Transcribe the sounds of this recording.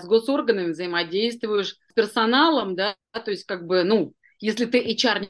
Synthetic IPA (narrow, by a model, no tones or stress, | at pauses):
sɡo̞so̞rɡənəmʲɪvzəɪmɐdʲejst̪vʊjɪʂ | pʲɪrsɐnalˠəmd̪a | t̪o̞ɪsʲt̚ʲkaɡ̚bɨnu | jesʲlʲɪt̪ɨʔɪt͡ɕarnʲ